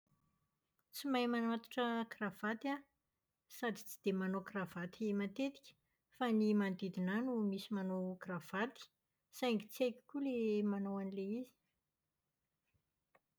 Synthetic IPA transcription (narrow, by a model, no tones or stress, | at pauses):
t͡simajmanat̪u̥ʈ͡ʂəkrav̥at̪a | sad̪it͡si̥d̪̥emanokrav̥at̪imant̪et̪i̥kʲə̥ | fanimand̪id̪inanumisimanokrav̥at̪i̥ | sajŋɡit͡siajkʲi̥kulemanawanileizi̥